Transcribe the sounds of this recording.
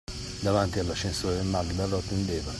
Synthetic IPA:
d̪avant̪ialːaʃensoːɾemːalːd̪alɔt̪ːend̪eːva

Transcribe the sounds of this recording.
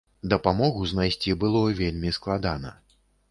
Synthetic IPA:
d̪ɐpamɔɣuznajsʲt͡sʲibɨlˠɔvʲelʲmʲisklˠad̪anɐ̰

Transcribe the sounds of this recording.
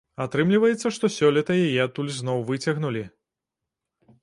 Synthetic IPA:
at̪ɾɨmlʲivɐjɛt̪sːɐʂt̪ɔsʲɔlʲit̪ɐjajɛt̪ulʲznɔwvɨt͡sʲɐɣnulʲi

